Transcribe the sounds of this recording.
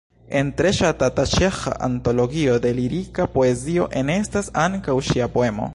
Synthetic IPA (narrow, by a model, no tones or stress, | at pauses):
e̞ntɾe̞ʃatatat͡ʃe̞xa̰ʔa̰nto̞lo̞ɡio̞de̞liɾikapo̞e̞zio̞ʔe̞ne̞stasaŋkawʃiapo̞e̞mo̞̰